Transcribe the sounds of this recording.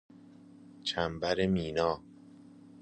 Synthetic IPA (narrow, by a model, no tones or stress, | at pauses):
t͡ʃʰæmbæɾemiːnɒː